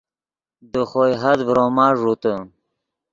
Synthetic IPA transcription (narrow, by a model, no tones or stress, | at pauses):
d̪əxojɦad̪vɾomaːʐut̪ə